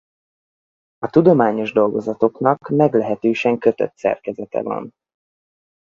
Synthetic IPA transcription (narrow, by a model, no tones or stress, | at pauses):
ɒt̪ud̪o̞maːɲo̞ʒd̪o̞lɡo̞zɒt̪o̞knɒkmɛɡlɛɦɛt̪øːʃɛŋkøt̪ø̰t̪sɛ̰rkɛzɛt̪ɛ̰vɒ̰n